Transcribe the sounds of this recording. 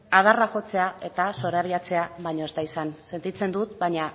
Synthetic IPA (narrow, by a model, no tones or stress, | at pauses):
að̞araʝo̞t͡se̞ae̞t̪aso̞ɾaβ̞iat͡se̞aβaɲo̞ezt̪aisanse̞nt̪it͡se̞nd̪ut̪baɲa